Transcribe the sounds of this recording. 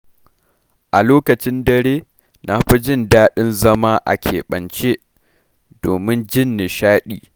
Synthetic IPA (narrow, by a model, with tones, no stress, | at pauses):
ʔa˨loː˦kɐ˨t͡ʃɪ˦ndɐ˦ɾeː˦ | na˦ɸi˦d͡ʒɪ˦ndaː˦ɗɪ˦nzɐ˦maː˦ʔa̰˨kʲʰḛː˨ɓɐ̰˨nt͡ʃe˦ | doː˨mɪ˦nd͡ʒɪ˦nːe˨ʃaː˦ɗiː˨